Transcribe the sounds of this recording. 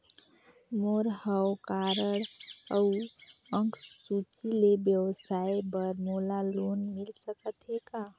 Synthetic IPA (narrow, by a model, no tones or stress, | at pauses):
moɾhəwkaɾəɽə | əŋkssut͡ʃilebjəwəsaebəɾmolalonmilsəkət̪ɦeka